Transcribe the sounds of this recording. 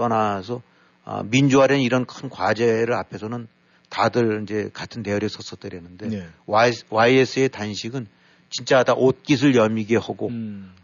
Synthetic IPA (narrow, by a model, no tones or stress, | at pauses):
t͈ʌnasʰʌ | ʌ̰mind͡ʑoɦaɾʌnniɾʌnkʰɯnkwad͡ʑe̞ɾɯɾapʰe̞sʰʌnɯn | tadɯɭind͡ʑe̞katʰɯnteʌɾjesʰʌs͈ʰʌt͈ɯɾiɦenːɯnde̞waiesʰɯe̞tanɕʰiɡɯn | t͡ɕint͡ɕ͈adaʔot̚k͈is̬ʰɯɭjʌmiɡehaɡo